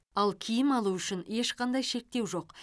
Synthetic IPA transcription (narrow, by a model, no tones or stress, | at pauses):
ɑlˠkʲʰijɪmɑlˠuʏʃɪne̞ʃqɑnd̪ɑjʃe̞k̚t̪e̞wʒo̞q